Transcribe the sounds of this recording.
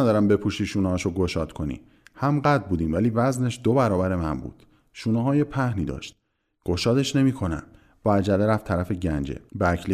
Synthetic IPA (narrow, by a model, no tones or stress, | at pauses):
æd̪ɒːɾæmbe̞pʰuʃiːʃuːnɛhɒʃoɡoʃɒːd̪̥kʰo̞nḭ | hæmɢæd̪̚buːd̪iːmvæliːvæzne̞ʃd̪obæɾɒːbæɾe̞mæmbṵːd̪̥ | ʃuːneɦɒːjepʰæhniːd̪ɒ̰ʃt̪̚ | ɡ̥o̞ʃɒːd̪e̞ʃne̞miːkʰo̞næ̰m | b̥ɒæd͡ʒæleɾæft̪ʰːæɾæfe̞ɟænd͡ʒḛbeækʰli